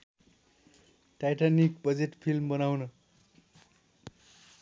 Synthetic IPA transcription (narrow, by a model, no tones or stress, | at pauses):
ʈajʈanikbʌd͡zeʈpʰilmbʌnawnʌ